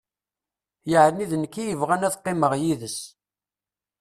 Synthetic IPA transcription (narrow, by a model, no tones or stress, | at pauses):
jəʕnːiðənkːijəvʁænæθqːɪməʁjiðəs